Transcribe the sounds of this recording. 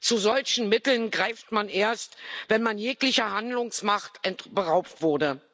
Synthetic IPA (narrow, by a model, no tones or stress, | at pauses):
t͡suzɔlçn̩mɪtl̩nɡʁaɪftmanʔeːɐstvɛnmanjeːklɪçəhandlʊŋsmaχtʔɛntb̥əʁaʊptv̥ʊɐdə